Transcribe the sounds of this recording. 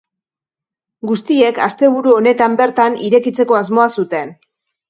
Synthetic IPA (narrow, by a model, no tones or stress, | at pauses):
ɡust̪ie̞kast̪e̞β̞uɾuo̞ne̞t̪ambe̞ɾt̪aniɾe̞kit͡se̞ko̞azmo̞asut̪e̞n